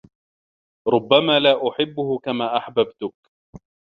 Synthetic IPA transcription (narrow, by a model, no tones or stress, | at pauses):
ɾˤʊbːamaːlaːʔʊħɪbːʊhʊkamaːʔaħbabt̪ʊk̚